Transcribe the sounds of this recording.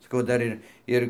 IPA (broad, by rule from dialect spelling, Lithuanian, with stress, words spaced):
sɐˈkɐʊ ˈdɐr ɪr ˈɪr